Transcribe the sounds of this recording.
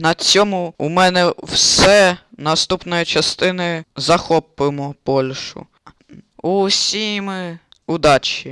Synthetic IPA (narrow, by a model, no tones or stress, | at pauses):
nɐt͡sʲɔmʊumɛnɛwsɛ | nɐst̪upnɔjɐt͡ʃɐst̪ɪnɪzɐxɔpɪmɔpɔlʲʃʊ̰ | usʲimɪʊd̪ɑt͡ʃʲi